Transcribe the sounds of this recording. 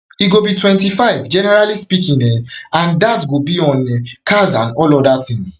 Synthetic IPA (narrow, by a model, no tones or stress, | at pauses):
iɡobitwɛ̃ntifaɪvd͡ʒɛnɛɹalispikĩŋdɛ̃nãndatɡobiɔ̃nkʰazãnɔlɔdatĩŋs